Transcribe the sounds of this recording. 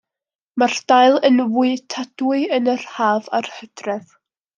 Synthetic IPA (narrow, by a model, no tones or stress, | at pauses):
mard̥aɨlˠənvuɨtʰad̥wɨɨənərhaːvarhədrɛð